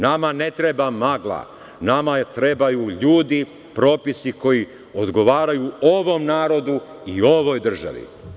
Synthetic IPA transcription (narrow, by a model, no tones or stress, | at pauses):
namane̞t̪ɾebamaɡlˠa̰ | namat̪ɾe̞bajuʎuːd̪i | pɾo̞ːpisiko̞ji | od̪ɡo̞ʋaːɾajuo̞ʋo̞mnaːɾo̞d̪u | io̞ʋo̞ːjd̪r̩ʒa̰ʋḭ